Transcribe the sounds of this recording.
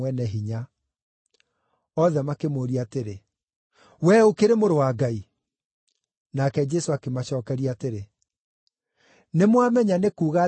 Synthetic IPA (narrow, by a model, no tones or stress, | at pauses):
wɛnɛɦiɲa | ɔðɛmakemoːɾiateɾe | wɛokeɾemoɾowaɡai | nakɛd͡ʒɛsoakemaɕɔːkɛɾiateɾe | nemwamɛɲanekuːɣa